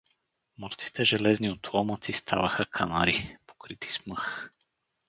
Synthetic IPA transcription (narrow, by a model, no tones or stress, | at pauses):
mɤɾt̪si̥t̪ɛʒɛlɛzniot̪ɔmət̪sist̪ʰa̰vəxəkʰana̰ɾipo̥kɾit̪i̥smɤx